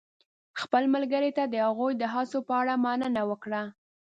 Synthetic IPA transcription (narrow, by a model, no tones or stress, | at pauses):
xpəlməlɡəɾet̪ad̪əhaɣujd̪əɦɑsopəaɽamɑnənawəkɽa